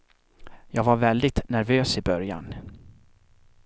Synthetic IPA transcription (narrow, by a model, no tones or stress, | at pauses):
jɑːɡvaɾvɛld̪ɪt̪næɾvøːsɪbœɾja̰n